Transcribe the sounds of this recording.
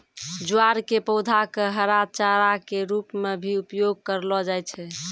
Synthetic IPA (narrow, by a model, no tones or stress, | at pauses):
d͡ʒuaɾkepəʊd̪ʱakeɦəɾad̪̚t͡ʃaɾakeɾupmebʱiupjoɡ̚kəɾlɔd͡ʒajt͡ʃʰɛ